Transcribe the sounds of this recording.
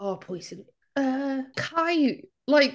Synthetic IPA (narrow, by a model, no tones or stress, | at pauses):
ɔpʰɔɪzɨ̃n | ʌkʰaɪ | laɪk